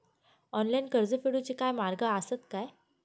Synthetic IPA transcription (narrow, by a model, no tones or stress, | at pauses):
ɔnlajnkəɾd͡zəfeɽut͡ɕikajmaɾɡəəsət̪kaj